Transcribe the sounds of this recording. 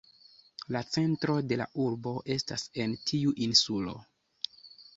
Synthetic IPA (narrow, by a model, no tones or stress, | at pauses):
lat͡se̞ntɾo̞de̞la̰ʔuɾbo̞ʔe̞stase̞ntʰiuʔinsulo̞̰